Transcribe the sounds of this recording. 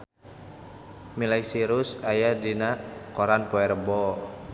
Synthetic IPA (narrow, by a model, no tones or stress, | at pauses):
milajsiɾusajadinakɔɾanpoɛɾbɔ